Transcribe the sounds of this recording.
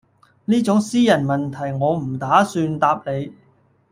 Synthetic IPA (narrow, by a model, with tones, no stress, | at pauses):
niː˥t͡sʊ˨˥ŋsiː˥jɐ˨˩nmɐ˨nt̪ʰɐ˨˩jŋɔː˨˧m̩˨˩t̪aː˨˥syː˧nt̪aː˧p̚le˨˧j